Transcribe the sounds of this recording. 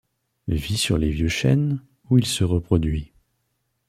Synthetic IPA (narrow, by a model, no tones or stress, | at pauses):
visyʁlevjøʃɛ̰n | uilsəʁəpχɔd̪ɥi